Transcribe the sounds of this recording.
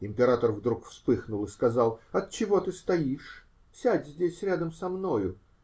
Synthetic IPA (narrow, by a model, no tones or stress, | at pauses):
ɪmʲpʲɪɾat̪ərvd̪ɾukfspɨxnʊlˠɨskɐzɑlˠɐt̪̚t͡ɕɪvo̞t̪ɨst̪ɐiʂ | fsʲædʲzʲdʲesʲɾʲad̪əmsɐmno̞jʊ